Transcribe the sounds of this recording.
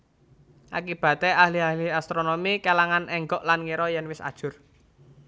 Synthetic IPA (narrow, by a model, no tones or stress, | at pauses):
ʔa̰kib̥ä̤t̪eahliahliast̪ɾonomikelaŋanɛŋɡɔʔlanŋiɾɔjɛnwɪsa̰d̥ʒ̥ʊ̤r